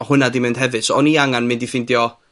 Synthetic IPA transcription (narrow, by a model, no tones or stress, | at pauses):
ɔhʊnadimɪnd̥ɦɛvɨd̥sɔɔniaŋanmɪndifɪndjɔ